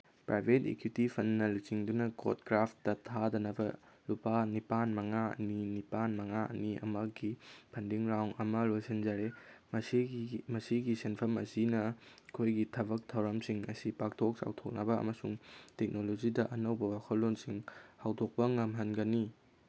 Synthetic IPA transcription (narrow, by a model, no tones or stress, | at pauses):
pɾʔajbʱetḛkjutipʰɐnːɐlut͡ʃiŋdunɐko̰t̚kɾapʰtdɐtʰadɐnɐbɐlupanipanmɐŋaɐ̰ninipanmɐŋaʔɐ̰niʔɐ̰mɐɡipʰɐndiŋɾawŋɐmɐlojsend͡ʒɐɾemɐsmɐsiɡisenpʰɐmɐ̰sinɐkʰojɡitʰɐbɐk̚tʰɐwɾɐmsiŋɐ̰sipak̚tʰok̚sa̰wtʰok̚nɐbɐɐ̰mɐsuŋtek̚nolod͡ʒidɐʔɐnɐwbɐwakʰɐt̚lonsiŋhawdok̚pɐŋɐmɦɐnɡɐni